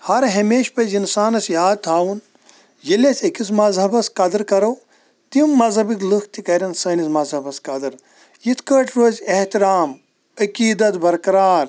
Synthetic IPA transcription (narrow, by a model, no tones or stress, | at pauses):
hɐɾɦɐmeːʃpɐzinsaːnɐsjaːd̪̚t̪ʰaːwun | jilesʰʲɐkʰis̬mɐzɦɐbɐskɐd̪ɨɾkɐɾow | t̪immːɐzɦɐbiklukʰt̪ikɐɾʲɐnsɐːnismɐzɐbɐskɐd̪ɨɾ | jit̪ʰkəːʈɾoːzʲeht̪iɾaːm | ɐkiːd̪ɐt̪bɐɾkɐɾaːɾ